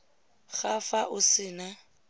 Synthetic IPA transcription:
ɣafaʔʊsɪːna

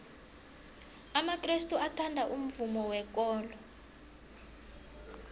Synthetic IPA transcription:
amakristʼuatʰandʱaʔum̩vumɔwɛk̬ʼɔːlɔ

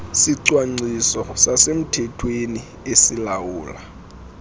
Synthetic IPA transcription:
siǀwaŋ͡ǀisɔsasem̩tʰɛtʰweni | esilawuːla

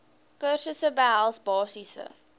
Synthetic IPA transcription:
kərsəsəbælˠsbɑːsisə̰

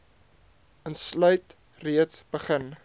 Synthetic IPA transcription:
ənslœɥt | riətsb̥əχən

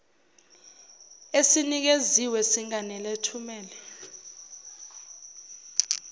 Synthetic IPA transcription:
esinik̬eziwɛsiŋanɛletʰumɛːlɛ

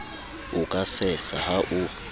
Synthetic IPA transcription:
ukʼasɛsahaʔu

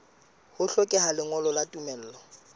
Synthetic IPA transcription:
hʊɬɔkʼɛhalɪŋɔlɔlatʼumɛl̩ːlɔ

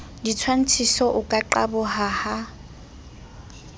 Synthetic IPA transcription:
dit͡sʰwan̩t͡sʰisɔʔʊkʼaǃabʊhaha

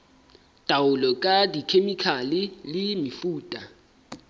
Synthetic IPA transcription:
d̥ʼʱawʊlɔkʼadikʰemikʰalilɪmifuːtʼa

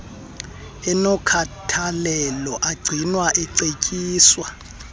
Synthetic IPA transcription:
ɛnɔkʰatʰalɛlɔʔaɡ͡ǀʱinwaʔɛǀecʼiːswa

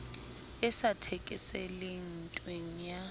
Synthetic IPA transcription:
ɛsatʰɛkʼɪsɛlen̩tʼweŋ̩ja

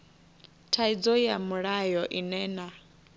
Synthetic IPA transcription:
tʰaid͡zɔjamuɺajɔʔinɛːna

